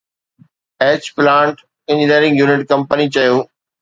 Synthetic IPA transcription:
eːt͡ɕplãːɳʈ | ɪ̃ɲd͡ʑɪniːɾɪ̃ŋɡjuːnɪʈkɐ̃mpənit͡ɕɐjoː

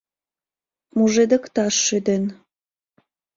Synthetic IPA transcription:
muʒed̪ə̆kt̪ɑʃːyd̪en

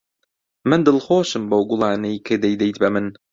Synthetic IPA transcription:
mɨnd̪ɨlˠxoːʃɨmbowɡʊlˠɑːnejkʰɨd̪ejd̪ejt̪bɐmɨn

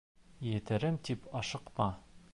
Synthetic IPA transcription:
jɘ̆t̪ɘ̆ɾɘmt̪ipɒʃɤ̆qmɑ

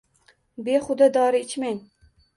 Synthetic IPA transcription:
beχʊd̪ad̪ɒɾɪɪt͡ʃmaŋ

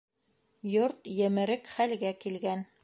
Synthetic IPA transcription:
joɾt̪jɘ̆mɘ̆ɾɘkχælɡækilɡæn

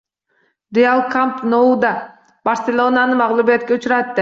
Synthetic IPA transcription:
ɾʲealˠkamp̪noud̪a | bɐɾsʲelʲˠonanɯmɑʁlˠubiet̪̚keut͡ʃuɾat̪d̪e

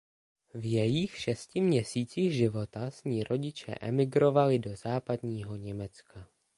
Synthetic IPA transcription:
vjɛjɪxʃɛscɪmɲɛsiːt͡siːxʒɪvo̞t̪asɲiːɾʔo̞ɟɪt͡ʃɛ̰ʔɛ̰mɪɡɾo̞valɪdo̞zaːpadɲiːɦo̞ɲɛmɛt͡ska

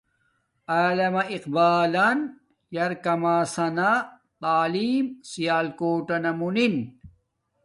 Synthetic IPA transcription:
aːlɐmɐiqbaːlɐn | jɐɾkɐmaːsɐna | t̪aːliːmsijaːlkoːʈɐnɐmunin

